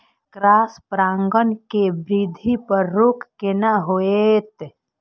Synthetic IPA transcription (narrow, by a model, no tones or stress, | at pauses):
kɾaːspɾãːŋɡənkebɾid̪ʱipəɾːuːkkenaɦoet̪